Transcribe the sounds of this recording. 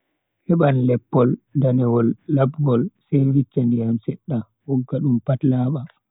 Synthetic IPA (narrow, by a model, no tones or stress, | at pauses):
hɛɓanlɛpːɔldanɛwɔlːabɡɔlsɛwit͡ʃːandijamsɛɗːa | wɔɡːaɗumpatlaːɓa